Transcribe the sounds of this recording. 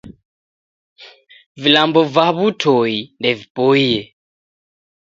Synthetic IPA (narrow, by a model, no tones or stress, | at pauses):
vilambɔvaβutʰoindɛvipoijɛ